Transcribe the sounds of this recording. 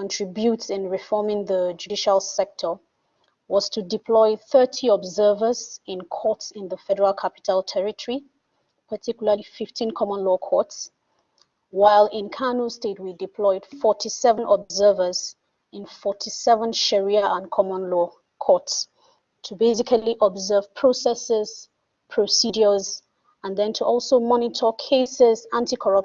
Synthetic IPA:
kə̃ntʰɹ̥ɪbjutsɪ̃nɹifɔmɪ̃ŋðəd͡ʒudiʃalˠsɛk̚tʰə | wɔz̥tʰudɪpʰlɔɪθɜ˞tʰiɔbzɜ˞vəzɪ̃nkʰɔˑtsɪ̃nðəfɛdəɹalˠkʰapɪ̥tʰəlˠtʰɛɹitʰəɹi | pʰətʰikjl̩əifɪftʰĩnkʰɔmə̃nlɔkʰɔts | waɪlɪ̃nkʰanustet̚widipʰl̥ɔɪd̥fɔtʰisɛvə̃nʔɔbzɜ˞vəz | ɪ̃nfɔtʰisɛvə̃nʃɛɹiaʔə̃nkʰɔmə̃nlɔ | kʰɔts | tʰubezikʰaliʔɔbzɜv̥pʰɹ̥osɛsɛz̥ | pʰɹ̥osid͡ʒəz | ə̃nðɛ̃ntʰuʔɔlˠsoʊmɔnitʰəkʰeɪsɛzãntikʰɔɹʌp

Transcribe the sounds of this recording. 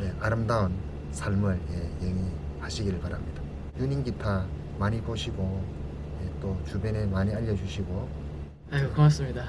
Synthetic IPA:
ne̞aɾɯmdaun | sʰaɭmɯɭjejeŋi | haɕʰiɡiɾɯɭpaɾamɲida | juɲinɡitʰa | maɲipoɕʰiɡo | jet͈ot͡ɕubjʌne̞maɲiaʎːʌd͡ʑuɕʰiɡo | aɡɯkʌmas͈ɯmɲida

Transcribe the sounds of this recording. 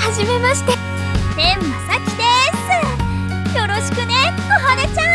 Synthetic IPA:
haʑime̞maɕi̥t̪e | ẽmːasakʲid̪es | jo̞ɾo̞ɕi̥kɯ̟neoɦad̪at͡ɕa

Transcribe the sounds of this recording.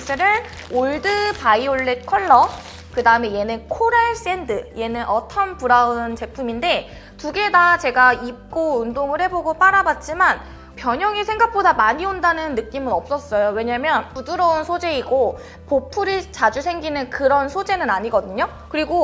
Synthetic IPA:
ɕʰeɾɯɭ | oɭdɯpaioɭːet̚kʰʌɭːʌ | kɯdaɯme̞je̞nenkʰoɾeɭs͈e̞ndɯje̞nɯnʔʌtʰʌnpuɾaɯnt͡ɕe̞pʰuminde̞ | tuɡe̞dat͡ɕe̞ɡaip̚k͈oɯndoŋɯɭhe̞boɡop͈aɾabat̚t͡ɕ͈iman | pjʌɲʌŋisʰe̞ŋɡak̚p͈odamaɲiondanɯnːɯk͈imɯnʌp̚s͈ʌs͈ʌjowe̞ɲamjʌnpuduɾʌunsʰod͡ʑe̞iɡo | popʰuɾit͡ɕad͡ʑusʰe̞ŋɡinɯnkɯɾʌnsʰod͡ʑe̞nɯnaɲiɡʌdɯɲo | kɯɾiɡo

